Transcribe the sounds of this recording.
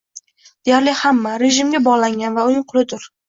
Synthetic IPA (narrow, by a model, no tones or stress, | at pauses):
d̪̥e̞jaɾlɪhamːaɾe̞ʒɪmɡʲabɒʁlˠaŋʲanvaʊnɪŋqʰʊlˠɪd̪ʊɾ